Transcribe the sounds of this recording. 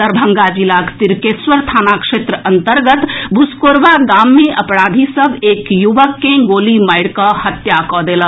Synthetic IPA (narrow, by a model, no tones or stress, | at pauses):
əɾbʱə̃ŋɡad͡ʒilakt̪iɾkesʋəɾt̪ʰaːnakʃeːt̪ɾəʔənt̪əɾɡət̪buskoɾʋaɡaːmːẽʔəpɽaːd̪ʱisəbʱeːkjuʋəkːẽɡoːliməɪɽkəhət̪jakɔd̪eːlə